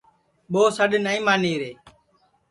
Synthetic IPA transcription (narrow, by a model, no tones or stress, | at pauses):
ɓoːsəɗnəĩːmaːniːɾeː